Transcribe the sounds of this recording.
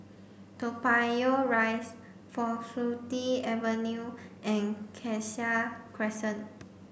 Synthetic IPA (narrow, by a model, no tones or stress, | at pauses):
topajoɹajs | fɔfutiɛvənjuʔɛ̃nkʰɛʃakʰɹɛsə̃n